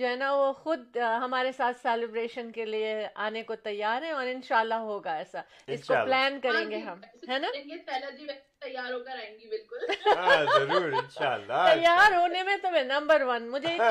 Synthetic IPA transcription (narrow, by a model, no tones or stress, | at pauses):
d͡ʒoːɦɛːnaʋoxʊd̪̚ɦɐmaːɾesaːt̪ʰsɛːlɪbɾeːʃənkelieaːnekot̪ɐjːaːɾɦɛ̃ɔːɾɪ̃nʃaːlːaɦoːɡaɛːsa | ɪskoplɛːnkɐɾẽːŋɡeɦɐmɦɛːnaeepɛlad͡ʒiʋɛ | t̪ɐjːaːɾɦoːkɐɾaːẽŋɡibɪlkʊlzɐɾuːɾɪnʃaːlːat̪ɐjːaːɾɦoːnemẽt̪omɛ̃nɐ̃mbəɾʋɐnmʊd͡ʒʱe